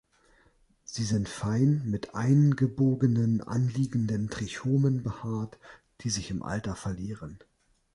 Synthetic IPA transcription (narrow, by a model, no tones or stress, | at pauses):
z̥iːzɪntfaɪnmɪtʔaɪnɡəboːɡənənʔa̰nliːɡn̩dəntʁ̥içoːmənbəhaːɐt | d̥iːzɪçɪmʔa̰ltɐfɛɐliːʁən